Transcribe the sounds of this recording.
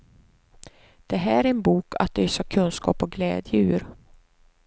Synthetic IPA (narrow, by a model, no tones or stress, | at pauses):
d̪̥ɛɦæːɾɛnbuːkʰa̰t̪̚d̪œːsɑkʰɵnskɑ̰ːpɔɡlɛːd̪jʉ̟ːɾ